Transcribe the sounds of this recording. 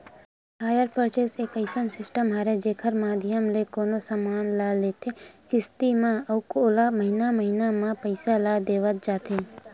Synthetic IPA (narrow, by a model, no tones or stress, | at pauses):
haːjəɾpəɾt͡ʃeseːkəɪsənsɪsʈəmɦaːɾed͡ʒeːkʰəɾmaːd̪ʱjəmlekoːnosamaːnlaːleːt̪ʰet͡ʃɪst̪imãɐʊkoːlaməɦɪnaməɦinamãpəɪsalad̪eːʋət̪̚d͡ʒaːt̪ʰe